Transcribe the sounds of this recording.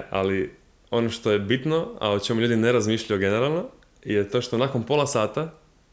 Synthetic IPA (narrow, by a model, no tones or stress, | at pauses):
a̰li | o̞no̞ʃt̪o̞je̞bit̪noa̰ot͡ʃe̞muʎuːd̪ineɾazmiːʃʎajuɡeneɾalˠno̞ | jet̪o̞ʃt̪onaːko̞npo̞lˠasaːt̪a